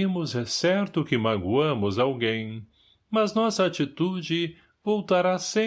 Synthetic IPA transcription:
imʊzɛsɛɾt̪ʊkɪmaɡuɐ̃mʊzawɡẽj̃ | mɐznɔsɐat͡ʃit̪ud͡ʒɪ | vowt̪aɾasẽ

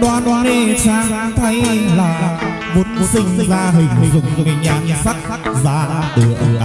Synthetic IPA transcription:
ɗwaːnɗwaːisaːŋt̪ʰəjlaː | monsïŋ̟zaːɦïŋ̟zʊ̰ŋ͡mzəɲaːŋsak̚ | zaːɗɨəʔ

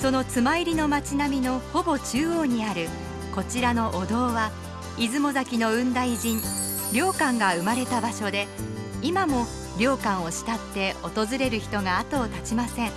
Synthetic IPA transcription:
so̞no̞t͡sɨmaiɾʲino̞mat͡ɕinamʲino̞ho̞bo̞t͡ɕɨːoːɲ̟iaɾɯ̟ | ko̞t͡ɕiɾano̞ʔod̪o̞ːβa | izɨmo̞zakʲino̞ɯ̟̃nd̪aiʑĩn | ɾʲo̞ːkãŋɡaɯ̟maɾe̞t̪abaɕo̞d̪e̞imamo̞ | ɾʲo̞ːkãɰ̃o̞ɕi̥t̪at̪ːe̞o̞t̪o̞zɨɾe̞ɾɯ̟çi̥t̪o̞ɡaːt̪o̞ːt̪at͡ɕimasẽ̞ŋ

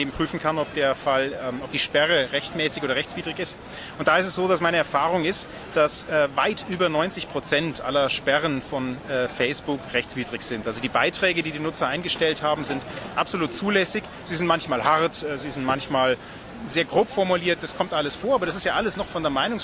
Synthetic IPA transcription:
eːbm̩pʁ̥yːfn̩kʰanɔp̚d̥eːɐfalɛʔɔp̚d̥iːʃpɛʁəʁɛçtmɛːsɪçoːɾɐʁɛçt͡sv̥iːdʁɪçɪst | ʊnt̚d̥aːɪstɛsz̥oːdasmaɪnəɛɐfaːʁʊŋɪst | d̥asɛːvaɪtʰʔyːbɐnɔʏnt͡sɪçpʁ̥ot͡sɛntʔa̰lɐʃpɛʁənfɔnɛːfɛɪsb̥ʊkʁɛçt͡sv̥iːdʁɪçz̥ɪntʔalzodiːbaɪtʁ̥ɛːɡədiːdiːnʊt͡sɐʔaɪnɡəʃtɛlthaːbm̩zɪntʔapz̥oluːtt͡suːlɛsɪç | z̥iːzɪntmançmaːlhaʁtɛziːzɪntmançmaːl | zeːɐɡʁoːpfɔɐmuliːɐt̚d̥askʰɔmtʔaləsfoːɐaːbɐɾas̬ɪstjaːʔaləsnɔχfɔndeːɐmaɪnʊŋ

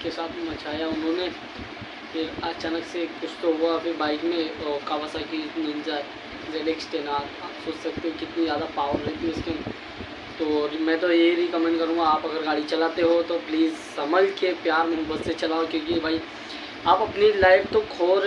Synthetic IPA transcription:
kesaːt̪ʰmɐt͡ʃaːjaʊnɦõne | pʰeɾɐt͡ʃaːnəksekʊt͡ʃʰt̪oɦuapʰɪɾbaːɪkmẽkaʋəsakinɪ̃nd͡ʒa | zeːleːksʈeːnaːt̪aːpsoːt͡ʃsɐk̚t̪eɦẽkɪt̪nizjaːd̪apaːʋəɾɾɛɦt̪iʊske | t̪omɛ̃ːt̪̬ojeiɾikəmẽːɳɖkɐɾũːɡaaːpɐɡəɾɡaːɽit͡ʃɐlaːt̪eɦot̪opliːzsɐməd͡ʒkepjaːɾmẽbəsset͡ʃɐlaːokjõːkiebʱaːi | aːpɐpnilaːɪp̚t̪okʰoːɾ

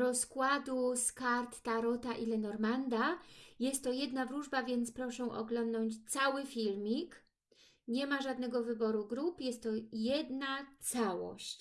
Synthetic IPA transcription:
ɾɔskwad̪uskaɾt̪ːaɾɔt̪aʔilɛnɔɾmand̪ajɛst̪ːɔjɛd̪navɾuʐbavʲjɛnt̪spɾɔʂɛ̃ʔɔ̰ɡlɔnd̪nɔɲt͡ɕt̪sawɘfʲilmʲik | ɲɛmaʐad̪nɛɡɔvɘbɔɾuɡɾupjɛst̪ːɔjɛd̪nat̪sawɔ̰ɕt͡ɕ

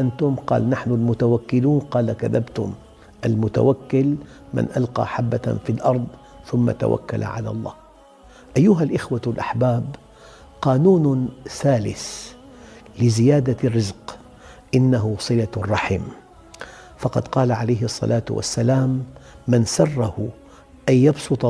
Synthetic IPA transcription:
ʔant̪ʊmqɑ̰ːlnaħnʊlmʊt̪awakːɪluːnqɑːlakaðabt̪ʊm | ʔalmʊt̪a̰wakːɪl | mɪ̰nʔalqɑ̰ːħabːafilʔɑɾˤd̪ˤ | θʊmːa̰t̪a̰wa̰kːa̰la̰ʕa̰la̰lˤːɑ̰ːh | ʔajːʊɦalʔɪxwalʔaħbaːb | qɑːnuːnsaːlɪs | lɪzɪjaːd̪arːɪzq | ʔɪnːaɦʊsˤɨlarˤːɑħḭːm | fɑqɑd̪qɑːlaʕalajɦsˤːɑ̰lʔaːt̪wa̰sːalaːmːɪnsɑrˤːɑhʊ | ʔajːɑbsˤʊt̪ˤ

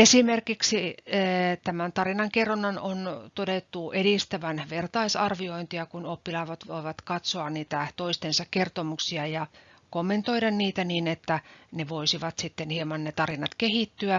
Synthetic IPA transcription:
esimerkiksiː | t̪æmænt̪ɑrinɑŋkeronːɑnont̪odet̪ːuʔeɾist̪æʋænʋert̪ɑisɑrʋioint̪iɑkunopːilɑːʋɑt̪ʋoiʋɑt̪kɑt̪soɑnniːt̪æt̪oist̪ensɑkkert̪omuksiɑjɑ | komːent̪oiɾɑnniːt̪æniːnet̪ːæneʋoisiʋɑt̪sit̪ːenhiemɑnnet̪ɑrinɑt̪kehit̪ːyæ

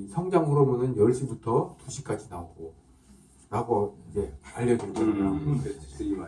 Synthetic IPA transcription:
sʰʌŋd͡ʑaŋuɾobunɯnjʌɭɕ͈ibutʰʌtuɕʰik͈ad͡ʑinaoɡo | ɾaɡoid͡ʑe̞aʎːʌduɭɡʌoaʌɯi

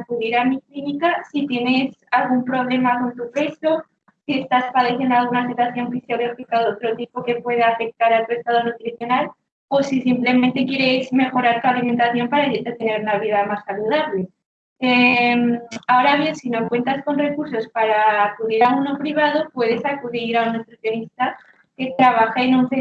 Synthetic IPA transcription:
akuðiɾamiklinikasit̪je̞ne̞salɣ̞umpɾo̞β̞le̞mako̞nt̪upɾe̞st̪o̞ | sie̞st̪aspaðeθe̞nalɣunasit̪waθjo̞ɱfisjo̞ɣofikaðot̪ɾo̞t̪ipo̞ke̞pwe̞ð̞aafe̞k̚t̪aɾaot̪we̞st̪aðonut̪ɾiθjo̞nal | o̞sisimple̞mẽnt̪e̞kjeɾezme̞xo̞ɾaɾt̪ualime̞nt̪aθjo̞mpaɾaet̪e̞ne̞ɾunaβ̞iðamasːaluðaβle̞ | emao̞ɾaβ̞je̞nsino̞kwe̞nt̪asko̞nre̞kuɾso̞spaɾaːkuðiɾaunopɾiβ̞að̞o̞pwe̞ðe̞sakuðiɾaunest̪ɾuθjo̞nist̪a | ke̞t̪ɾaβ̞axainonse

